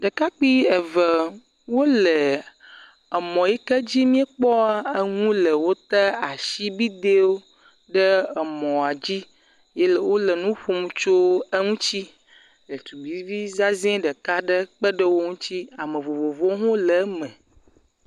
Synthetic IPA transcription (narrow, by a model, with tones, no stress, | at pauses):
ɖə˨ka˦k͡pi˦ɛ˨və˨ | wo˦lɛ˨ | ɛ˨mɔ̃˨jɛ˦kɛ˦d͡ʑi˦mĩ˦e˦k͡pɔ˦a˦ə˦ŋũ˦lə˨wo˦t̪ɛ˦a˨ʃi˦bi˦d̪e˦wo˦ | ɖə˦ɛ˨mɔ̃˨a˨d͡ʑi˦ | je˦lɛ˨wo˦lə˨nũ˦ɸu˦m˨˦t͡ʃo˦ə˦ŋũ˦t͡ɕi˦ | lə˨t̪u˨bi˨˦vi˦za˦zɛ̃˦ɖə˨ka˦ɖə˦k͡pə˦ɖə˦wo˦ŋũ˦t͡ɕi˦a˨mə̃˨vo˨vo˨vo˦ɦõ˦lɛ˨˦mɛ̃˨